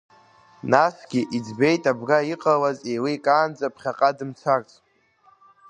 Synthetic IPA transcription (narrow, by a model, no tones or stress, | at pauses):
nasɡ̥ʲiʔid͡zbe̞jtʼabɡaiqʼawazejlikʼaːnd͡zapʰχʲaqʼadɨmt͡sʰart͡sʰʼ